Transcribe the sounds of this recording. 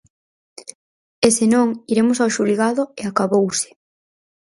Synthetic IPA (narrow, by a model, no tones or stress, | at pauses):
esenõŋiɾemosawʃuliɣaðoeakaβowsɪ̥